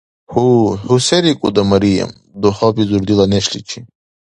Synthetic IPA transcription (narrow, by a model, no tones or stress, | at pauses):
huhuseɾikʼṵd̪ɐmɐɾijɐ̰m | d̪ohɔpizuɾd̪ilɐneɕlit͡ʃʰi